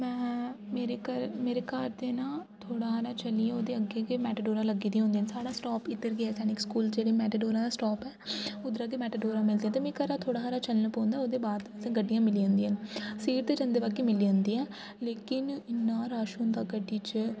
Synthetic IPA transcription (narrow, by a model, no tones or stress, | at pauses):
mɛ̃ːmeːɾeːkəɾmeːɾekaːɾd̪eːnãːt̪ʰoːɽaːaːɾaːt͡ʃəliːãoːd̪eːəɡeːkeːmɛːʈəɖoːɾãːləɡiːd̪iːɦʊ̃nd̪iːənsaːɽaːsʈɔːpɪt̪ːəɾɡeɛːsɛːnɪkskuːld͡ʒeːɽeːmɛːʈəɖoːɾãːd̪aːsʈɔːpɛːʊd̪ɾaːkeːmɛːʈəɖoːɾãːmɪld̪eːãːt̪eːmɛ̃ːkəɾaːt̪ʰoːɽaːɦaːɾaːt͡ʃəlnəpɔ̃ːnd̪aːoːd̪eːbaːd̪sẽːɡəɖːijãːmɪliːɦə̃ːnd̪iːənsiːɾt̪eːd͡ʒə̃nd̪eːbaːkeːmɪliːɦə̃nd̪iːɛː | leːkɪnɪnːãːɾaːʃuːnd̪aːɡəɖːiːt͡ʃ